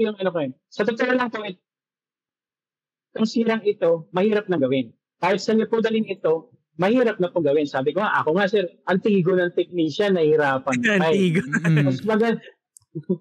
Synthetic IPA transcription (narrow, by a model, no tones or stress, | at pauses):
jʊŋɐnokɐjon | sɐt̪ʊt̪ɛɾlɐŋp̪oʔɛ | k̪ʊŋsiːɾɐŋɪt̪o̞mɐhiːɾɐp̚nɐŋɡɐwɪn | kaːhɪt̪̚sɐɲopod̪ɐlɪŋɪt̪o̞ | mɐhiːɾɐp̚nɐpʊŋɡɐwɪnsaːbɪkoŋaʔɐ̰koŋasɛɾʔɐŋt̪iːɡonɐŋt̪ɪk̚niʃanɐhɪɾaːpɐnpajɡɐsmɐɡad̪̚